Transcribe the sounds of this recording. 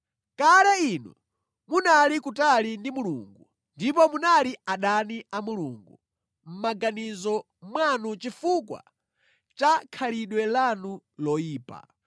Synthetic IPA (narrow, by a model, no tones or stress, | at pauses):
kaɾɛinɔ̰ | munalikutalindimuluŋɡu | ndipɔmunaliaɗaniamuluːŋɡu | m̩maɡanizɔ | mwanut͡ʃifukwa̰ | t͡ʃakʰaliɗwɛlanulɔiːpa̰